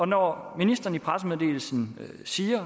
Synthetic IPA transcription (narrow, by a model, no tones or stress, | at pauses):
ɒ̽nɒminisd̥ɐːn̩ipʰʁas̬əmeðˠd̥e̝̰ːl̩sn̩ | siːɐ